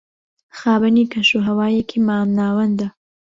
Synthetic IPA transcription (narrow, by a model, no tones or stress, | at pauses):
xaːbɐnikɐʃuɦɐwaːjekʰimaːmnaːwɐnd̪a